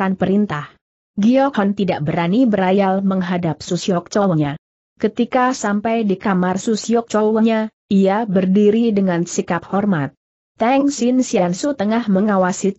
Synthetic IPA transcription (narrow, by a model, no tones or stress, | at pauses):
anpəɾint̪ah | ɡiɔkhɔnt̪idaʔbəɾanibəɾajalməŋɦadap̚sosiɔk̚t͡ʃɔwəɲa | kət̪ikasampajdikamarsusiɔk̚t͡ʃowəɲa | iabərdiɾidəŋansikap̚hɔrmat̪̚ː | ɛŋsinsijansut̪əŋahməŋawasi